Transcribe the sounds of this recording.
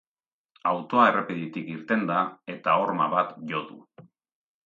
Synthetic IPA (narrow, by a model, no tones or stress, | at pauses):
awt̪o̞aere̞piðit̪ikiɾt̪e̞nd̪ae̞t̪ao̞ɾmaβat̪ʝo̞ðṵ